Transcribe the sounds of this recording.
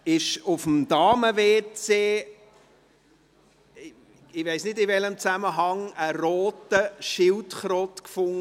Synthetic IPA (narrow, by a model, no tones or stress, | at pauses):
ɪʃʊfm̩d̥ɑːməveːt͡seː | ɪʋeɪsnɪdɪvɛləmt͡sæməɦɑŋəɾɔːtəʃɪltχɾɔtkfʊŋ